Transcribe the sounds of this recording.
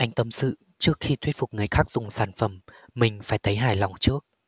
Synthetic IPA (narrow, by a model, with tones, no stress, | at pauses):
ʔa˧jŋ̟t̪ə˧˩msɨ̰˧˨ | t͡ɕɨ˦˥ək̚xi˧t̪ʰwi˦˥t̚fʊ˨˩k͡p̚ŋ˨˩əjxaː˦˥k̚z̥ʊ˨˩ŋ͡msaː˧˩nfə˧˩mː | ï˨˩ŋ̟faː˧˩jt̪ʰə˨˦jɦaː˧˩jla˨˩wŋ͡mt͡ɕɨ˦˥ək̚